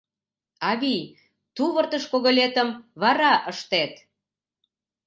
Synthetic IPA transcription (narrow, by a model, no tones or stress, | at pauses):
ɑβij | t̪uβərt̪əʃkoɣolʲet̪əmβɑɾɑʔəʃt̪et̪